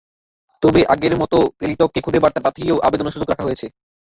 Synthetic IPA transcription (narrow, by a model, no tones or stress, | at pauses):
t̪obeʔaɡeɾmɔt̪ot̪ɾilit̪okːekʰud̪ʱebaɾt̪apat̪ʰijewʔa̰bed̪onoʃud͡ʑokɾakʰaɦojet͡ɕʰe